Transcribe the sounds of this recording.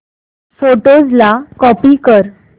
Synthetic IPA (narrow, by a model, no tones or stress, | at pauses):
soʈod͡zlakɔpikəɾ